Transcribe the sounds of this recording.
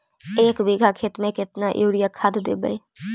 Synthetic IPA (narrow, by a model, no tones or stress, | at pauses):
eːkʋiɡʱaːkʰeːt̪mẽːkɪt̪naːʔuːɽɪjaːkʰad̪d̪ḛːbə̰iː